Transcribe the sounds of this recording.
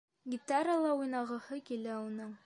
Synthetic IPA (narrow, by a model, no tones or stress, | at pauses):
ɡʲit̪aɾəlˠɑujnɑʁɤ̆hɤkilæunɤɴ